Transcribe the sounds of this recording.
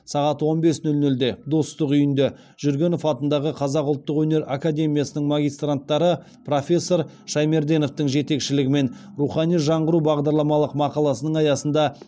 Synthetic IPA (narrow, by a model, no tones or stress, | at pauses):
sɑʁɑt̪wo̞nbe̞snʏlnʏld̪e̞d̪o̞st̪əqʏjɪnd̪e̞ | ʒ̥ʏɾɡʲe̞no̞fɑt̪ənd̪ɑʁəqʰɑzɑqʊlˠt̪ːəqwɵne̞ɾakad̪ʲe̞mʲijasənəɴmaɡʲijst̪rant̪ːɑɾə | pro̞fʲe̞sːo̞ɾ | ʃɑjme̞ɾd̪ʲe̞no̞ft̪əŋʒe̞t̪e̞kʃɪlɪɡʲɪme̞nruχɑnijʒɑɴʁəɾubɑʁd̪ɑɾlˠɑmɑlˠəqmɑqɑlˠɑsənəɴɑjɑsənd̪ɑ